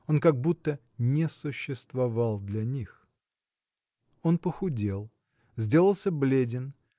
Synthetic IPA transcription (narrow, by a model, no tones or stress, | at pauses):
o̞nkɐɡ̚but̪ːə | nʲɪsʊɕːɪst̪vɐvalˠd̪lʲɐnʲix | o̞npəxʊdʲelˠ | zʲdʲe̞lˠəlˠsʲəblʲedʲɪn